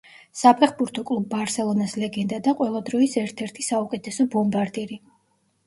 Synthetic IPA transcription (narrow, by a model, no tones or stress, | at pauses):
sapʰɛχbuɾt̪ʰɔkʼlˠubːaɾsɛlˠɔnaslɛɡɛnd̪ad̪aqʼwɛlˠad̪ɾɔisɛɾt̪ʰɛɾt̪ʰisaukʼɛt̪ʰɛsɔbɔmbaɾd̪iɾi